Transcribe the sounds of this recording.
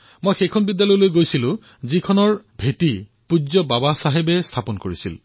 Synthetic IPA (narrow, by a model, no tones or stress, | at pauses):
mojxejkʰɔnbidːjalɔjlojɡojsilʊ̃ | zikʰɔnɔɹbʱetipuzɔbabasaɦebɛst̪ʰapɔnkoɹisḭl